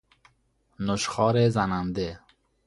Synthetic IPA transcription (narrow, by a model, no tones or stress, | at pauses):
nʊʃχɒːɾezanand̪e